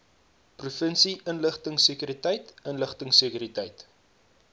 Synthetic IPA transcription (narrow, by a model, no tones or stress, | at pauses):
prufənsiʔənləχtəŋsikyɾitəjtənləχtəŋsəkyɾitɛjt